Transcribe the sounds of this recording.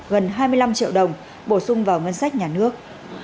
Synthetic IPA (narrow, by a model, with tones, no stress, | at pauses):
ɣə˨˩nɦaː˧jmɨ˧jla˧mt͡ɕḭ˧˨əwɗə˨˩wŋ͡m | ɓo˧˩sʊ˧ŋ͡mvaː˨˩wŋə˧nsa˦˥k̟̚ɲaː˨˩nɨ˦˥ək̚